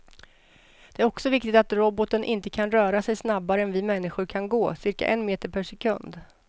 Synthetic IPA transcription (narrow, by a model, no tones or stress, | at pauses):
d̪̥ɛæɾɔksɔvɪkt̪ɪk̚t̪at̪ɾɔbɔt̪ənʔɪnt̪əkʰanɾœːɾasɛjsnabːaɾəɛnvɪmɛnːɪɧʊɾkʰanɡoːsɪɾka̰ʔɛnmeːt̪əɾpʰæʂɛkʰɵ̰nd̪